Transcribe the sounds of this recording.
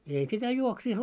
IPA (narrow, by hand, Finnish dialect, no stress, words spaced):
eˑi sitæ juoksiːs